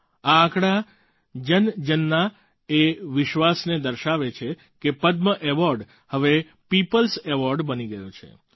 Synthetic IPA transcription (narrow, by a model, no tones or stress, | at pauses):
ãːkɽa | d͡ʒənd͡ʒənːa | eʋɪʃʋasned̪əɾʃaʋet͡ʃʰe | kepəd̪məʔɛʋɔɾɖ | həʋe | pipəlsɛʋɔɾɖbəniɡəjot͡ʃʰḛ